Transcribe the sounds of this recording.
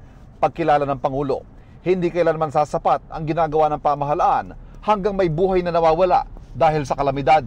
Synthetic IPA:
pɐɡ̚kɪlaːlɐnɐŋpɐŋuːlo̞̰ | hɪnd̪iːkɐʔɪlanɐmansaːsɐpat̪̚ɐŋɡɪnaːɡɐwanɐŋpamɐɦɐlaʔanhɐŋɡaŋmɐjbuːɦɐjnɐnɐwaːwɐla̰ʔd̪aːhɪlsɐkɐlɐmɪd̪ad̪̚

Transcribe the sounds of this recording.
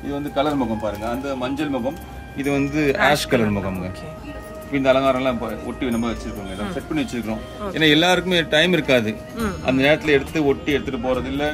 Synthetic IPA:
ɪðɯʋɐnd̪ɯkɐlɐɾmɐɣɐmpaːɾɯŋɡɐːnd̪ɐmɐɲd͡ʒɐlmɐɣɐm | ɪðɯʋɐnd̪ɯaːʂkɐlɐɾmɐɣɐmŋɡɐ | pːɐɪnd̪ɐːlɐŋɡaːɾɐ̃lãːpɔʈːiʋɪnɐmbaːʋɐt͡ʃːɪɾɯkːɯŋɡɐɛlːaːsɛʈ̚pɐnːiʋɛt͡ʃːɪɾɯkːɪɾõː | ḛːnːaːɛlːaːɾɯkːɯmeːʈɐɪmɪɾɯkːaːðɯ | ʔɐ̰nd̪ɐneːɾɐt̪ːɪlɐɛɽɯt̪ːɯɔʈːiɛɽɯt̪ːɯʈːɯpoːɾɐðɪlːɐ

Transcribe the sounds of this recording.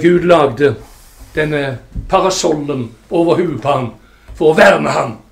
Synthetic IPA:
ɡʉːd̪lɑːɡd̪ə | d̪̥ɛnːəpʰɑʁɑsɔlənoːʋəhʉːəd̪pʰɑʁn | fɔʁɔʋæːʁməhɑn

